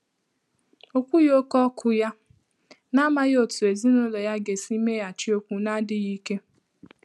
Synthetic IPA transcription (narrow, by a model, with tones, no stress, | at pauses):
o˦kʷu˦jo˦kɔ˦kʰʊ˦ja˦ | na˦ma˦jo˨tu˨e˨zi˦no˦lɔ˨ja˦ɡe˨si˦me˦a˨t͡ʃɪ˦o˦kʷu˨na˦dɪ˦ji˦ke˦